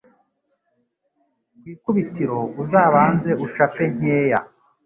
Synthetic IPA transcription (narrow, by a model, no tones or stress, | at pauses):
wiːkuβitiɾo̞uzaːβaːnze̞ut͡ʃape̞ɲ̥eːja̰